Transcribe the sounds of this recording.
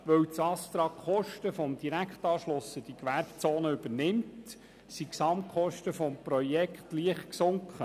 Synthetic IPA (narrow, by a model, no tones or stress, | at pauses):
ʋœwt͡sɑst̪ɾɑkχɔʃtəfɔmd̪iɾækχtɑːʃlʊsəd̥ikʋæɾbt͡soːnəʏb̥əɾnɪmt | siksɑmkʰχɔʃtəfɔmpɾɔjɛkχtliəχtksʊŋkχə